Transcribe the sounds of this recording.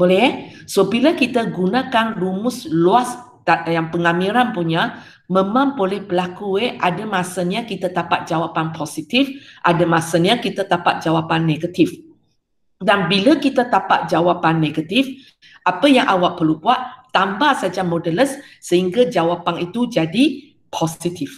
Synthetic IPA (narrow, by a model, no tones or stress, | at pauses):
bolɛ | sobiləkit̪əɡunãkanrumʊsluas | t̪ajaŋpəŋamiɾanpuɲa | mə̃mãmpolɛhpəlakueʔadəmasəɲakit̪at̪apat̪̚d͡ʒawapanpʰosit̪ifʔadamasənakit̪at̪apa̰t̪̚d͡ʒawapanːeɡat̪if | danbiləkit̪at̪apaʔ̪̚d͡ʒawapanːeɡat̪if | ʔapəjaŋʔawaʔpərlubuaʔt̪ambahsad͡ʒamodələsːəhiŋɡad͡ʒawapanit̪ud͡ʒadi | pʰosit̪if